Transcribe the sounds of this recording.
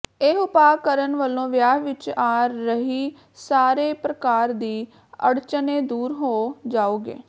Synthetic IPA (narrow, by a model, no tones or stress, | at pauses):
eːɦʊpaːkəɾənʋəlːõːʋjaːɦʋɪt͡ʃaːɾːəɦiː | saːɾeːpɾəkaːɾd̪iː | ə̰ɽt͡ʃəneːd̪uːɾɦoːd͡ʒaːoːɡḛː